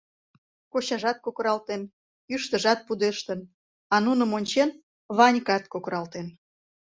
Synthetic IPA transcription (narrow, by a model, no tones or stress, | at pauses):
koɕɑʒɑt̪̚kokəɾɑlt̪en | yʃt̪əʒɑt̪̚pud̪eʃt̪ən | ɑnunəmonʲt͡ɕen | βɑnʲkɑt̪kokɾɑlt̪en